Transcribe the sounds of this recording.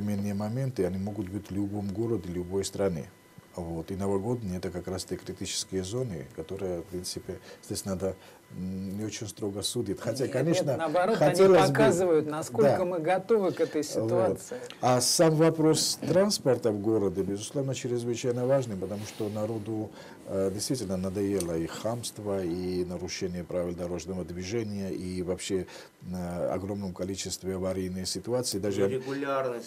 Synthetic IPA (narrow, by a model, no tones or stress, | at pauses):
ɪmʲenːɨjəmɐmʲe̞nt̪ɨɐnʲimo̞ɡʊt̪̚bɨtʲlʲʊbomɡo̞ɾəd̪ɪlʲʊbo̞jst̪ɾɐnɨ̰ | vot̪inɐvɐɡo̞d̪nɨjəɛt̪əkakɾast̪əkɾʲɪtʲit͡ʃɪ̥skʲɪjəzo̞nɨ̰kɐt̪o̞ɾɨjəfpɾʲint̪sɨpʲɪz̥ʲdʲesʲnad̪ə | nʲɪot͡ʃɪnʲst̪ɾo̞ɡəsudʲit̪xɐt̪ʲakɐnʲeʂnənɐbɐɾoxɐnʲelˠəsʲbkazɨvəjʊt̪nɐskod̪lʲakəmɨɡɐt̪ovɨkɛt̪əjsʲɪvoat̪ɨasamvɐpɾo̞st̪ɾanspərt̪əvɡo̞ɾəd̪ʲəbʲɪzʊslˠo̞vnət͡ɕɪɾʲɪzvɨt͡ɕajnəvaʐnɨmpət̪ɐmuʂt̪onɐɾo̞d̪ʊ | dʲɪjst̪vitʲɪlʲnənɐd̪ɐjelˠəixamst̪vəinəɾuʂɛnʲɪjəpɾavʲɪlʲˠd̪ɐɾo̞ʐnəvəd̪vʲiʐɛnʲɪjəʔivɐpɕːe | ɐ̰ɡɾo̞mnəmkɐlʲit͡ɕʰɪst̪vʲɪɐvɐɾʲejnːəjsʲɪt̪uat̪sɨid̪aʐɨɪɡulʲarnə